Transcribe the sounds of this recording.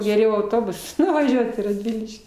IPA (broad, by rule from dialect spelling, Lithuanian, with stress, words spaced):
ɡʲɛˈrʲɛʊ ɐʊˈtoːbʊs nʊʋɐˈʒʲuɔt iː rɐdʲˈʋʲɪlʲɪʃʲkʲiː